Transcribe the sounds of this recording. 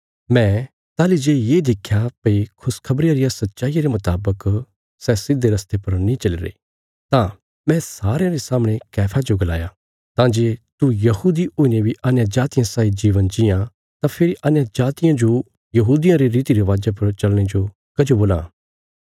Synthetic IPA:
mɛ̃ː | t̪aːlid͡ʒeːjeːd̪ɪkʰːjapɐikʰʊskʰɐbɾɪjaɾɪjasɐt̪ːʃaːijaɾemɐt̪aːbək | sɛːsɪd̪ːeɾɐst̪epɐɾnĩt͡ʃɐliɾḛː | t̪ã | mɛ̃saːɾejãɾesaːmɽ̃ekɛːpʰad͡ʒoɡɐla̰ːja | t̪ãːd͡ʒeːt̪ujɐɦuːd̪ioːinebʱiʔanjãd͡ʒaːt̪ɪjãsaːid͡ʒiːʋənd͡ʒɪjã | t̪ãpʰɪɾiʔanjad͡ʒaːt̪ɪjãd͡ʒo | jɐɦuːd̪ijãɾeɾiːt̪iɾeʋaːd͡ʒap̬ɐɾt͡ʃɐlɽ̃ed͡ʒo | kɐd͡ʒoboːlã̰

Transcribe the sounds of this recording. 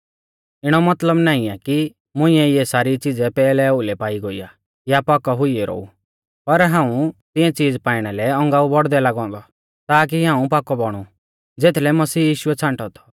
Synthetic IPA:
ɪɽ̃ɔmɐt̪ləbnaːĩaki | mʊ̃ɪ̃ɛjɛsaːɾit͡sɪd͡zɛpɛːlɛʊlɛpaːiɡoḭja | japaːkɔɦʊiɛɾɔ̰ːṵ | pɐɾɦãːũt̪ɪ̃ɛ̃t͡siːd͡zpaːɪɽ̃ɛlɛɔ̃ŋɡaːubɔɽd̪ɛlaɡɔ̃ːnd̪ɔ | t̪aːk̬iɦãːũpaːkɔbɔɽ̃u | d͡zeːt̪ʰlɛmɐsiːjiːʃʊɛt͡sʰãɳʈɔt̪ʰɔ̥

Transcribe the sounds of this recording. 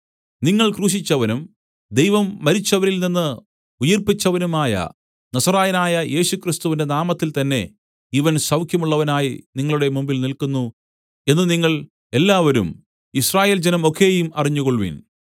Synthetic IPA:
niŋːɐɭkruːɕ̬it͡ɕːɐʋɐnum | d̪ejʋɐmːɐɾit͡ɕːɐʋɐɾilninːɨ | ujɐrpit͡ɕːɐʋɐnumaːjɐ̰ | nɐsɐraːjɐnaːjɐjʔe̞ːɕukrist̪uʋinde̞naːmɐt̪ːilt̪ɐnːe̞ | iʋɐnsɐwkʰjɐmuɭːɐʋɐnaːjiniŋːɐɭuɽe̞mumbilnilkunːu | e̞nːɨniŋːɐɭ | e̞lːaːʋɐɾṵm | israːje̞ːld͡ʑenɐmo̞kʰːe̞ːjumɐriɲːuɣoɭʋḭn

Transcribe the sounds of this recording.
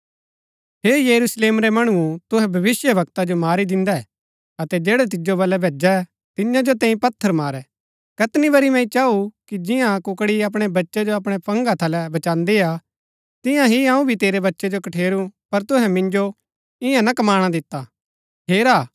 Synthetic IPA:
ɦeːjɐɾusleːmɾɛmɐɽ̃ut̪ʊɦɛ̃bʱɐʋɪsjəbɐk̚t̪ad͡ʒomaːɾid̪ɪ̃nd̪aɛ | ɐt̪ɛd͡ʒeːɽɛt̪̬ɪd͡ʒobɐlːɛbʱeːd͡ʒa | t̪ɪjãd͡ʒot̪ɛ̃ːĩpɐt̪ʰːəɾmaːɾɛ | kɐt̪nibɐɾimɛ̃ĩt͡ʃaːukid͡ʒɪ̃jãkʊkɽiɐp̬ɽ̃ebɐtːʃɛd͡ʒoɐp̬ɽ̃ɛpɐ̃ŋɡat̪ʰɐlɛbɐt͡ʃãːnd̪ea | t̪ɪ̃jãɦiɐ̃ːũbʱit̪eːɾebɐtːʃɛd͡ʒokɐʈʰeːɾupɐɾt̪ʊɦɛ̃mɪ̃nd͡ʒo | ɪ̃jãnakɐmaːɽ̃ad̪ɪt̪ːa | ɦeːɾaː

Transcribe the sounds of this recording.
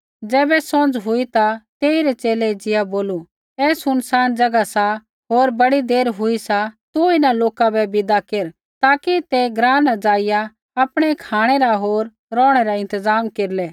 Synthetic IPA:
d͡zɛːbɛsɔ̃nd͡ʒɦʊit̪at̪eːiɾɛt͡ʃeːlɛd͡ʒɪjaboːlu | ɛːsʊnsaːnd͡ʒɐɡasa | ɦoːɾbɐɽid̪eːɾɦʊisat̪uɪnaloːkabɛbɪd̪akeːɾ | t̪aːkit̪ɛɡɾãːnad͡ʒaːɪja | ɐpɽ̃ɛkʰaːɽ̃ɛɾaɦoːɾ | ɾɔ̃ːɽ̃ɛɾaɪ̃nt̪əzaːmkeːɾlɛː

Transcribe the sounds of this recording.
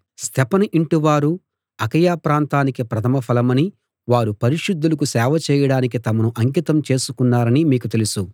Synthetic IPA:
st̪ʰɛpɐnɐʔiɳʈiʋaːɾu | ɐkɐjaːpɾaːnt̪aːnikipɾɐt̪ʰɐmɐpʰɐlɐmɐni | ʋaːɾupɐɾiʂud̪ːulɐkusɛːʋɐt͡ʃɛːjɐɽaːnik̬it̪ɐmɐnuʔɐŋk̬it̪ɐmt͡ʃe̞ːsukunːaːɾɐnimiːkut̪e̞lusu

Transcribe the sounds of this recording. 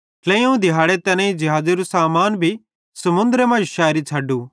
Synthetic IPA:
lɐ̃ːĩũd̪ʱɪɦaːɽet̪ɐnẽĩd͡ʒɐɦaːd͡ʒeɾusaːmaːnbʱi | sɐmʊ̃nd̪ɾemãːʃaːɾit͡ʃʰɐɖuː

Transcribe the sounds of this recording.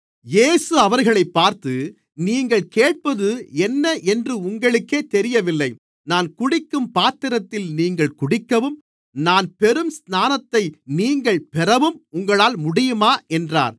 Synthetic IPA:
jeːsɯɐʋɐɾɣɐɭɐɪpːaːɾt̪ɯ | niːŋɡɐɭkeːʈ̚pɐðɯɛnːɐʔɛndrɯʊŋɡɐɭɯkːeːt̪ɛɾɪjɐʋɪlːɐɪ | naːnkʊɽɪkːɯmpaːt̪ɪɾɐt̪ːɪlniːŋɡɐɭkʊɽɪkːɐʋɯm | naːnpɛɾɯmsnaːnɐt̪ːɐɪniːŋɡɐɭpɛɾɐʋɯmʊŋɡɐɭaːlmʊɽɪjɯmaːʔɛndra̰ːɾ

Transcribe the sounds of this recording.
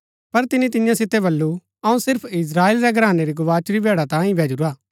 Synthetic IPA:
pɐɾt̪ɪnit̪ɪjãsɪt̪ebɐlːu | ɐũsɪɾpʰɪs̬ɾaːeːlɾɛɡɾaːneɾiɡʊʋaːt͡ʃʊɾibʱɛːɽat̪ãːĩbʱɛːd͡ʒuɾaː

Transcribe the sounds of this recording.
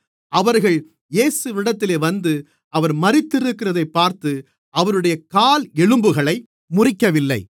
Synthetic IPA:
ɐʋɐɾɣɐɭ | jeːsɯʋɪɽɐt̪ːɪleːʋɐnd̪ɯ | ɐʋɐɾmɐɾɪt̪ːɪɾɯkːɪrɐðɐɪpːaːɾt̪ɯ | ʔɐʋɐɾɯɽɐjɐkaːlɛɻɯmbɯɣɐɭɐɪ | mʊrɪkːɐʋɪlːɐɪ

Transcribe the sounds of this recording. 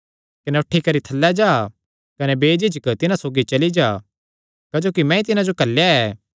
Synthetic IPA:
kɐnɛʊʈʰːikɐɾit̪ʰɐlːad͡ʒaː | kɐnɛbeːd͡ʒɪd͡ʒəkt̪ɪnãsoːɡit͡ʃɐlid͡ʒaː | kaːd͡ʒoːkimɛ̃ːĩt̪ɪnãd͡ʒokɐlːjaɛː

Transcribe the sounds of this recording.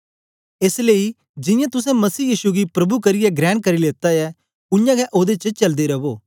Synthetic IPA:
eːsleːi | d͡ʒɪ̃jãt̪ʊs̬ɛ̃mɐsiːjiːʃuɡipɾɐbʱukɐɾɪjɛɡɾɛ̃ːɳ̚kɐɾileːt̪ajɛ | ʊjãɡɛʔoːd̪et͡ʃət͡ʃɐld̪eɾɐboː

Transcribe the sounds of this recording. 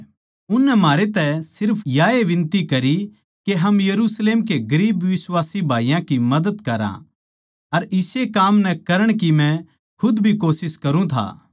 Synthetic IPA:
ʊnːɛmaːɾet̪ɛsɪɾpʰjaːeʋɪ̃nt̪ikɐɾi | keɦɐmjɐɾusleːmkeɡɐɾiːbʋɪswaːsibʱaːijãkimɐd̪əd̪kɐɾã̰ | ɐɾɪsekaːmnɛkɐɾəɽ̃kimɛ̃ | kʰʊd̪bʱikoːsɪskɐɾũt̪ʰa̰ː

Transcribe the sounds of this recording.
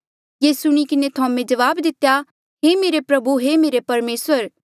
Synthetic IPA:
jeːsʊɽ̃ikɪnet̪ʰãːmẽd͡ʒɐʋaːbd̪ɪt̪ːja | ɦeːmeːɾepɾɐbuɦemeːɾepɐɾmeːsəɾ

